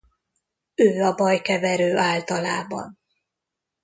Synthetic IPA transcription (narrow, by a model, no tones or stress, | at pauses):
øːɒbɒjkɛvɛɾøːʔaːlt̪ɒlaːbɒ̰n